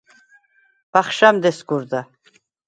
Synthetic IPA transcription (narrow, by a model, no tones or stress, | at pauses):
b̥aχʃamd̪esɡuɾd̪a